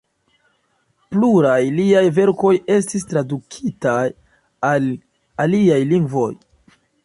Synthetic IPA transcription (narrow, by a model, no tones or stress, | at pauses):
pluɾajliajve̞ɾko̞je̞s̬tis̬tɾadukʰitaj | al | aliajliŋɡvo̞̰j